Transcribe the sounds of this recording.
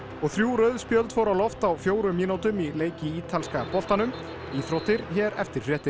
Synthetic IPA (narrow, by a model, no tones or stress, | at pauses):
ɔɣθɾjuːɾœɥðspjœlt̪fɔwɾawlɔft̪awfjoːwɾʏmːiːnawt̪ʏmileːjcɪiːt̪ʰalskapɔl̥t̪anʏm | iːθɾɔt̪ɪɾ̥çɛːɾɛ̰ft̪ɪɾ̥r̥ɛːt̪ɪ̥